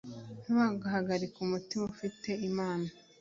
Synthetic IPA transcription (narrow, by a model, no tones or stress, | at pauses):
nuwaɡaɦaɡaɾikumutimaufite̞imaːna